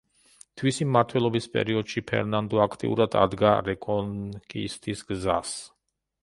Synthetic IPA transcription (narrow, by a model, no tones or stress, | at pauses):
t̪ʰwisimːaɾt̪ʰwɛlˠɔbispʼɛ̰ɾiɔd̪̥ʃipʰɛ̰ɾnand̪ɔakʰt̪ʼḭṵɾad̪a̰d̪ɡaɾɛkʼɔnkʼḭst̪ʰisɡzas